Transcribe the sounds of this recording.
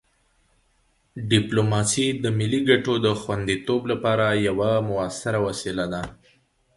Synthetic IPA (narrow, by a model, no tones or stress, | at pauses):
ɖɪplomɑsid̪əmɪlːiɡaʈod̪əxwand̪it̪oblapɑɾajawamʊasaɾawasɪlad̪a